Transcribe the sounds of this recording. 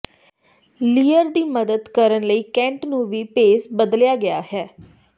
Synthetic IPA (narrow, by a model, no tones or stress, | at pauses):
liːəɾd̪iːməd̪əd̪kəɾənləiːkɛ̃ːɳʈnũːʋiːpeːsbəd̪ljaːɡɪaːɦɛː